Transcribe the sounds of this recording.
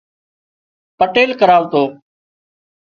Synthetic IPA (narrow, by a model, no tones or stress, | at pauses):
pəʈeːlkəɾaːʋt̪oː